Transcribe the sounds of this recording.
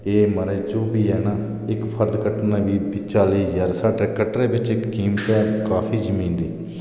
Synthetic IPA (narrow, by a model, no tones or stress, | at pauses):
eːməɾeːd͡ʒoːbiːɛːnãː | ɪkpʰəɾd̪kəʈnaːʋiːit͡ʃaːliːzaːɾsaːɖeːkəʈɾeːbɪt͡ʃɪkkiːmpɛːkaːpʰiːd͡ʒəmĩːnd̪iː